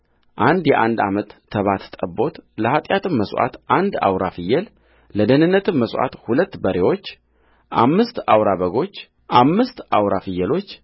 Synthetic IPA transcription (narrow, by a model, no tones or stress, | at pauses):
ʔand̪jɛʔand̪a̰mət̪ʰːəβat̪t̪ʼəbo̞t̪ləhat̪ʼjat̪ʰɨmːəswʔa̰t̪ʔand̪a̰wɾafɨjːɛl | ləd̪ənɨnːət̪ɨmːəsʔa̰t̪hulət̪ːbəɾe̞wo̞t͡ʃː | ʔamːɨst̪awɾaβəɡo̞t͡ʃː | ʔamːɨst̪awɾafɨjːəlo̞t͡ʃː